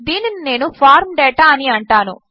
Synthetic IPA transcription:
d̪iːninine̞ːnupʰaːɾmɖɛːʈaːɐniɐɳʈaːnṵ

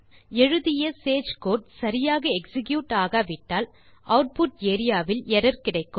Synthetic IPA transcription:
ɛɻɯðɪjɐseːd͡ʒkoːʈ̚sɐɾɪjaːɣɐɛksɪkjuːʈaːɣɐʋɪʈːaːl | ʔɐʊʈ̚pʊʈ̚eːɾɪjaːʋɪlɛɾɐɾkɪɽɐɪkːɯ

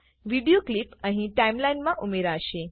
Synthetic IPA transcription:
ʋiɖijoklipəɦĩʈaimlajnmãʔumeɾaʃe

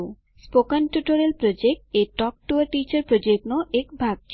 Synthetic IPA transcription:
spokanʈjuʈoɾelpɾod͡ʑek̚ʈeʈɔk̚ʈuaɾʈit͡ɕaɾpɾod͡ʑeknoʔekbʱaɡ

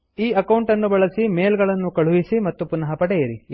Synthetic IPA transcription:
iːɐkɐwɳʈɐnːubɐɭɐsime̞ːlɡɐɭɐnːukɐɭuʋisimɐt̪ːupunɐɦɐpɐʈɛjɐɾi

